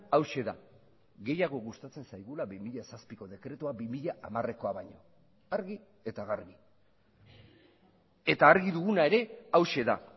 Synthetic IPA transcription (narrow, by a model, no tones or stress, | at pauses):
awʃe̞ða | ɣe̞jaɣ̞o̞ɣust̪at͡se̞nsajɣulaβimiʎasaspiko̞ðe̞kɾe̞t̪uabimiʎaʔamare̞ko̞aβaɲo̞ | aɾɣi | e̞t̪aɣaɾɣi | e̞t̪aːɾɣiðuɣunae̞ɾe̞awʃe̞ða̰